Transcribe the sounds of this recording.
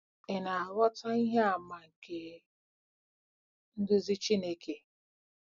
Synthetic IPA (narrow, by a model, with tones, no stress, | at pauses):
ɪ˨na˨a˨ɾɔ˦ta˦i˦ɦe˦a˨ma˨ke˨ | n̩˦dʊ˦zi˦t͡ʃi˦ne˦ke˨